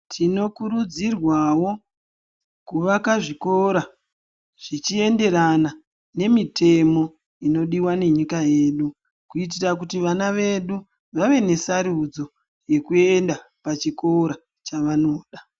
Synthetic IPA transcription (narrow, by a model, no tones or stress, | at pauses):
tʰino̞kuɾud͡zirwawo̞ | kuʋakaʐiko̞ɾa | ʐ̥it͡ʃie̞nde̞ɾana | ne̞mite̞mo̞ | ino̞ɗiwane̞ɲikaje̞ːɗu | kuit̬irak̬utiʋanaʋe̞ɗu | ʋaʋe̞ne̞saɾud͡zo̞ | je̞kue̞nda | pat͡ʃiko̞ɾa | t͡ʃaʋano̞ːɗa